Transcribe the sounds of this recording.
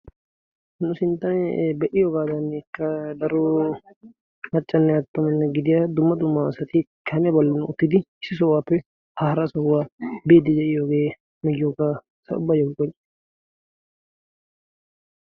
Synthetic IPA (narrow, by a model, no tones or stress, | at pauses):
nʊsɪnt̪ːɐnbɛʔɪjɔɡaːd̪ɐnːɛkːɐd̪ɐɾɔ | mɐt͡ʃʼːɐnːɛɐt̪ːʊmɛnːɛɡɪd̪ɪjad̪ʊmːɐd̪ʊmːasɐt̪ɪkʰɐnɛbɔlːɐnʊt̪ːɪd̪ɪɪsːɪs̬ɔwaːpːɛ | hɐhɾɐsɔwːaːbeːd̪ɪd͡ʒ̪ɛʔɪjoɡe̞ː | mɛjːoka | sɐ̰ʊ̰bːajɛkʊkːɔn